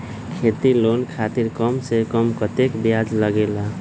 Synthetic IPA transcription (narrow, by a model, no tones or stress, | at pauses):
kʰet̪ilonkʰat̪iɾkəmsekəmkət̪ekbijad͡ʒləɡela